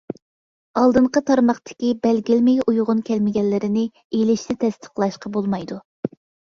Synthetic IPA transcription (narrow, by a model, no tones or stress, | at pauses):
ɑlˠd̪ɨɴqət̪ʰɑɾmɑχt̪ʰɪ̥kʲibɛlɡʲɪlmɪjujʁʊnkʲʰɛlmɪɡʲɛnlːɪɾɪnɪ | elɪʃnɪt̪ʰɛst̪ʰə̥qlˠɑʃqɑbolˠmɑjd̪u